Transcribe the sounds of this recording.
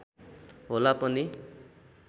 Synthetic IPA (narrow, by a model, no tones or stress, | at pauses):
ɦolapʌni